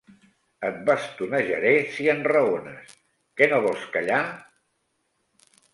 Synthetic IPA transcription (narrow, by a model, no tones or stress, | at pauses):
ət̪̚βast̪unaʒə̰ɾesiənrəonə̰s | kɛnoβɔlˠskəʎa